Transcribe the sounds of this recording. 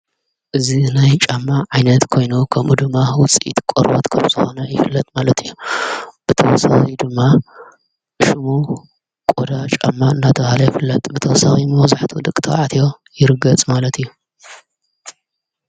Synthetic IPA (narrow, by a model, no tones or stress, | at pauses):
ʔɨzinajt͡ʃʼamːaʕajnɐt̪kʰo̞jnukʰɐmʔud̪ɨmːawʊt͡sʼʔḭt̪kʼoɾbot̪kʰɐmz̥ɨxonɐjɪfɨlːɐt̪ʼmalɐt̪ʰɨjːub̥ɨt̪ʰɐwɔsa̰xid̪ɨmːa | ʃumu | kʼod̪at͡ʃʼa̰mːaɨnːat̪ʰɐβhalɐjɪfɨlːɐt̪ʼbɨt̪ʰɐwɔsaximozaħt̪ʰud̪ɨkʼt̪ʰɐʕat̪ʰjo̞ | jɪɾɨɡɐt͡sʼmalɐt̪ʰɨjːu